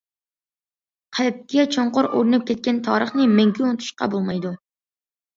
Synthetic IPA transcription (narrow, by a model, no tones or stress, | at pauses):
qʰɑp̚kʲɛt͡ʃʰoɴqʊɾoɾɨnɨp̚kʲʰɛt̪̚kʲɛnt̪ʰɑːɾəχnɨmɛŋkʲʰyont̪ʰu̥ʃqɑ̰bolˠmɑjd̪u